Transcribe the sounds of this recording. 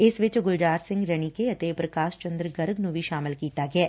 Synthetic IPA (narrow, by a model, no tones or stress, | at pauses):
ɪsʋɪt͡ʃɡʊld͡ʒaːɾsɪ̃ŋɡɾɐɳ̃ikeɐt̪epɾɐkaːʃt͡ʃə̃nd̪ɾɡɐɾɡnũbʱiʃaːmɪlkiːt̪aɡɐeː